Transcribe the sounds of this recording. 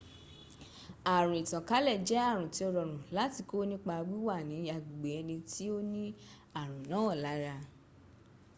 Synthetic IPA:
a˨ɾ̃ũ˨i˨tã˨ka˨˦lɛ˦˨d͡ʒɛ˨˦a˦˨ɾ̃ũ˨ti˨˦ɔ˦˧ɾɔ˨ɾ̃ũ˨la˨˦ti˧˦ko˦nĩ˦k͡pa˧ɡ͡bi˦wa˦˨nĩ˨˦a˨ɡ͡bu˨ɡ͡be˨ɛ˧nĩ˧ti˦o˦nĩ˦ | a˦˨ɾ̃ũ˨nã˨˦ɔ˦˨la˨˦ɾa˧

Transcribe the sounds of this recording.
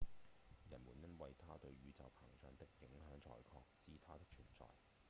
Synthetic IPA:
jɐ˨˩nmuː˨˩njɐ˥nwɐ˨jt̪ʰaː˥t̪ɵ˧ɥɥyː˨˧t͡sɐ˨wpʰɐ˨˩ŋt͡ʃœː˧ŋt̪ɪ˥k̚ːɪ˨˥ŋɦœː˨˥ŋt͡ʃʰɔ̰ː˨˩jkʰɔː˧k̚t͡siː˥t̪ʰaː˥t̪ɪ˥k̚t͡ʃʰyː˨˩nt͡sɔ̰ː˨˧j

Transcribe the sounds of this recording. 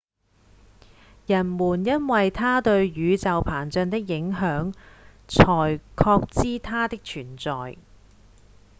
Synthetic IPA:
jɐ˨˩nmuː˨˩njɐ˥nwɐ˨jt̪ʰaː˥t̪ɵ˧ɥjyː˨˧t͡sɐ˨wpʰaː˨˩nt͡sœ˧nt̪ɪ˥k̚jɪ˨˥ŋɦœː˨˥ŋt͡sʰɔː˨˩jkʰɔː˧k̚t͡siː˥t̪ʰaː˥t̪ɪ˥k̚t͡ʃʰyː˨˩nt͡sɔː˨j

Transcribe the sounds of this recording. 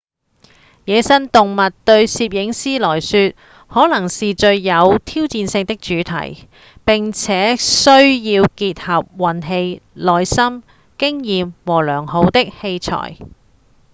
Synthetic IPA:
jɛː˨˧sɐ˥nt̪ʊ˨ŋmɐ˨t̚t̪ɵ˧ɥsiː˧p̬̚jɪ˨˥ŋsiː˥lɔː˨˩jsyː˧t̚ | hɔː˨˥lɐ˨˩ŋsiː˨t͡ʃɵ˧ɥjɐ˨˧wt̪ʰiː˥wt͡siː˧nsɪ˧ŋt̪ɪ˥k̚t͡ʃyː˨˥t̪ʰɐ̰˨˩j | pɪ˨ŋt͡sʰɛː˨˥sɵ˥ɥjiː˧wkiː˧t̚hɐ˨p̚wɐ˨˩nɦe˧jlɔː˨jsɐ˥m | kɪ˥ŋjiː˨mwɔː˨˩lœː˨˩ŋho˨˧wt̪ɪ˥k̚he˧jt͡sʰɔ̰ː˨˩j

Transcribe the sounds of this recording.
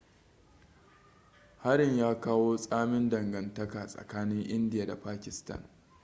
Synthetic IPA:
ha˦ɾɪ˨ɲjaː˦kaː˦woː˦sʼaː˦mɪ˦ndɐ˨ŋɡɐ˨ntɐ˦kaː˨sʼɐ̰˨kaː˦nɪ˦ŋʔɪ˦ndɪ˨jaː˨da˨paː˦kʲɪ˨stɐ̰˦˨n

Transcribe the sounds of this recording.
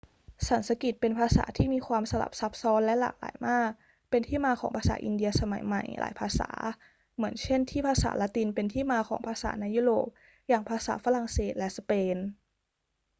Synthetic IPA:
sa˩˦nsa˧ki˨˩t̪̚pe˧npʰaː˧sa̰ː˩˦t̪ʰiː˥˩miː˧kʰwaː˧msa˧la̰˨˩p̚sa˦˥p̚sɔː˦˥nlɛ˦˥la̰ː˨˩k̚la̰ː˩˦jmaː˥˩k̚ | pe˧nt̪ʰiː˥˩maː˧kʰɔː˩˦ŋpʰaː˧sa̰ː˩˦ʔḭ˧ndi˧ɐsa˧ma̰˩˦jma˨˩jla̰ː˩˦jpʰaː˧sa̰ː˩˦ | mɯ˩˦ənt͡ɕʰe˥˩nt̪ʰiː˥˩pʰaː˧sa̰ː˩˦la˦˥t̪i˧npe˧nt̪ʰiː˥˩maː˧kʰɔː˩˦ŋpʰaː˧sa̰ː˩˦na˧jːuː˥˩ɾoː˨˩p̚ | jaː˨˩ŋpʰaː˧sa̰ː˩˦fa˧la˨˩ŋseː˨˩t̪̚lɛ˦˥sa˧peː˧n

